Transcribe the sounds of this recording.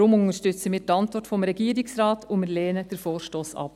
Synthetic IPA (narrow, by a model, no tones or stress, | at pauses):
ɾʊmʊŋəʃtʏt͡səmiːɾtɑntʋɔɾtfɔmɾɛɡiːəɾɪksɾɑːtʰʊnmɪɾlɛːnəd̥əɾfoːɾʃtoːsɑ̰p